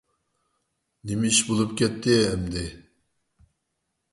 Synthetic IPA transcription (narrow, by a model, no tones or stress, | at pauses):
nɪmɪʃbolˠɨp̚kʲɛt̪ʰːɪɛmd̪ɪ